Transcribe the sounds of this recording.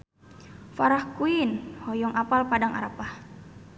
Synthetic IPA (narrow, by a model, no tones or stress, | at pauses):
faɾahkuinhɔjɔŋʔapalpadaŋʔa̰ɾapah